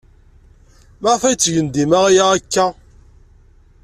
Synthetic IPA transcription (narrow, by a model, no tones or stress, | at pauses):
maʁfæjət͡sːʝənd̪imæʁajaækːæ